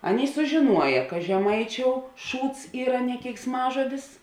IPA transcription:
ˈɑːˌnʲeːɪ sʊʒʲɪˈnuɔjɛ kɐ ʒʲɛˈmɐɪˌt͡ʃʲoːʊ ˈʃuːts ˈiːrɐ nʲɛ kʲɛɪksˈmɑːʒoːdʲɪs

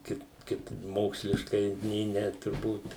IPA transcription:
ˈkɐɪp ˈkɐɪp ˈmoːksʲlʲɪʃkɐɪ nʲeː ˈnʲɛ tʊrˈbuːt

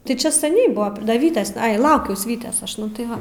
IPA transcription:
tɐɪ ˈt͡ʃʲɛ sɐˈnʲɛɪ ˈbʊʋoː ˈdɐ ˈʋʲiːtʲeːs ˈɐɪ ˈlˠɐʊkʲɛʊs ˈʋʲiːtʲeːs ˈɐʃ ˈnʊ tɐɪ ˈʋɐ

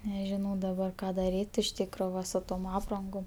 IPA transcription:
nʲɛʒʲɪˈnɐʊ dɐˈbɐr ˈkɑː dɐˈrʲiːtʲ ɪʃ ˈtʲiːkroː ˈʋɐ sʊ ˈtoːm ˈɑːprɐŋɡoːm

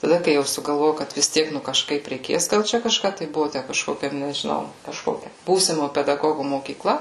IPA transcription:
tɐˈdɐ kɐɪ ˈjɛʊ sʊɡɐlˠˈʋoːjɛʊ ˈkɐt ʋʲɪs ˈtʲiɛk ˈnʊ kɐʃˈkɐɪp rʲɛɪˈkʲeːs ɡɐlˠ ˈt͡ʃʲɛ kɐʃˈkɑː tɐɪ ˈbʊʋʊ ˈtʲæ kɐʃˈkoːkʲɛ nʲɛʒʲɪˈnɐʊ kɐʃˈkoːkʲɛ ˈbuːsʲɪmoː pʲɛdɐˈɡoːɡʊ moːkʲiːˈklˠɐ

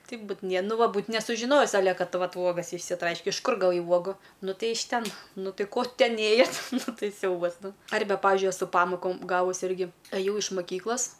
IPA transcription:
ˈtɐɪp ˈbuːt nʲiɛ ˈnʊ ˈʋɐ ˈbuːt nʲɛsʊʒʲɪˈnoːjɪs ɐˈlʲɛ ˈkɐt ˈʋɐt ˈuɔɡɐs ɪʃʲsʲɪˈtrɐɪʃʲkʲɛ ɪʃ ˈkʊr ɡɐˈʋɐɪ ˈuɔɡuː ˈnʊ ˈtɐɪ ɪʃ ˈtʲɛn ˈnʊ ˈtɐɪ ˈkoː ˈtʲɛn ˈeːjɛtʲ ˈnʊ ˈtɐɪ ˈsʲɛʊbɐs ˈnʊ ˈɐrʲbʲɛ ˈpɑːʋʲɪʒʲʊɪ ɛˈsʊ ˈpɑːmoːkoːm ˈɡɑːʋʊs ˈɪrʲɡʲɪ ɐˈjɛʊ ɪʃ mɐˈkʲiːklˠɐs

